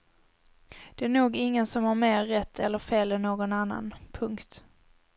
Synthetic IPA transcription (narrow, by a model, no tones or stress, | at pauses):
d̪̥ɛæɾɳuːɡɪŋːənsɔmhaɾmeːɾːɛt̪ʰːɛlːəɾfeːlɛnnoːɡɔnanːa̰npʰɵŋkt̪